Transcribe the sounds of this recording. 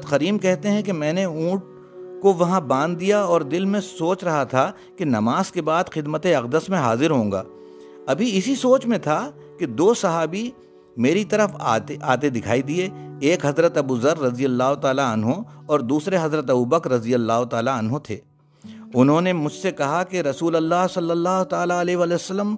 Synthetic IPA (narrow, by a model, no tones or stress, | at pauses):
t̪xɐɾiːmkɛɦt̪eɦɛ̃kemɛ̃ːneũːʈ̚ | koʋɐɦãbãːnd̪ːijaɔːɾd̪ɪlmẽsoːt͡ʃɾɐɦat̪ʰa | kenɐmaːz̥kebaːd̪xɪd̪mət̪eɐqd̪əsmẽɦaːzɪɾɦõːŋɡa̰ː | ɐbʱiɪsisoːt͡ʃmẽt̪ʰa | ked̪oːsɐɦaːbi | meːɾit̪ɐɾəft̪eʔaːt̪ed̪ɪkʰaːid̪ieeːkɦɐzɾət̪ɐbuːzəɾːɐzijəlːaːɦot̪aːlaɐnɦõɔːɾd̪uːsɾeɦɐzɾət̪ɐbuːbəkɾɐzijəlːaːɦot̪aːlaɐnɦot̪ʰeː | ʊnɦõnemʊd͡ʒʱsekɐɦakeɾɐsuːləlːaːɦsɐlːəlːaːɦot̪aːlaɐlɛɦeʋaːlɛosəlːəm